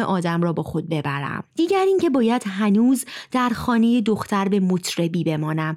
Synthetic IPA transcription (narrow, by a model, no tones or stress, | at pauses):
eʔɒːd̪æmrɒːbɒːxo̞d̪̚be̞bæɾæ̰md̪̥iːɟæɾiŋcʰe̞bɒːjæd̪ɦænuːzd̪æɾxɒːne̞je̞d̪oxt̪ʰæɾbe̞mot̪ʰɾe̞biːbe̞mɒːnæm